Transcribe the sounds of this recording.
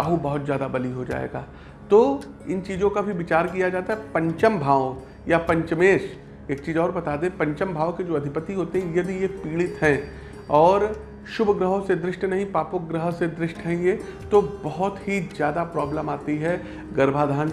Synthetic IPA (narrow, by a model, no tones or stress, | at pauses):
aɦubɐɦʊt̪zjaːd̪abɐliɦod͡ʒa̰ːḛːɡa̰ː | t̪oː | ɪnt͡ʃiːd͡ʒõkabʱiʋɪt͡ʃaːɾkijad͡ʒaːt̪aɦɛpɐ̃ɲt͡ʃəmbʱaːo | japɐ̃ɲt͡ʃmeːʃ | eːk̚t͡ʃiːzɔːɾbɐt̪aːd̪ẽpɐ̃ɲt͡ʃəmbʱaːoked͡ʒoːɐd̪ʱɪpət̪iɦoːt̪eɦɛ̃jɐd̪ʱijepiːɽɪt̪ɦɛ̃ | ɔːɾ | ʃʊbʱɡɾəɦõsed̪ɾɪʃʈnɐɦĩpaːpok̚ɡɾəɦsed̪ɾɪʃʈɦɛ̃ːŋɡe | t̪obɐɦʊt̪ɦizjaːd̪apɾɔːbləmaːt̪iɦɛ | ɡɐɾbʱad̪ʱaːn